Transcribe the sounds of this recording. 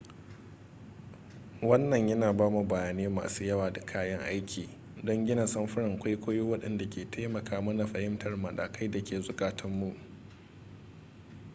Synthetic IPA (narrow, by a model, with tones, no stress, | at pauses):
wɐ˦nːɐ˨ɲjɐ˦naː˨baː˦mu˨bɐ˨jaː˨neː˦ma̰ː˨suː˦jɐ˦waː˨da˨kʰaː˦jɐ˦ŋʔa˦jkʲʰiː˨ | dɔ˦ŋɡʲɪ˦na˨sɐ˦mɸʊ˦ɾɪ˨ŋkʷa˦jkʷoː˦jo˦wɐ˦ɗɐ˦nda˨kʲʰeː˨tʰa˦mɐ˨kaː˦mɐ˦na˨ɸɐ˨hɪ˦mtʰɐ˨rmɐ˨ɗa̰ː˨ka˦jda˨kʲʰeː˨zʊ˨kaː˨tʰɐ˦mːu˦ʔ